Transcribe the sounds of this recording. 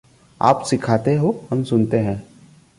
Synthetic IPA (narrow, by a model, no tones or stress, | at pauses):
a̰ːpsɪkʰaːt̪eɦohɐmsʊnt̪eɦɛ̃ː